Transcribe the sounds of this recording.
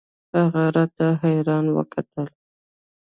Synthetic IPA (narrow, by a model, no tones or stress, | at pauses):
haɣaɾat̪aɦajɾɑnwə̰kʰat̪əl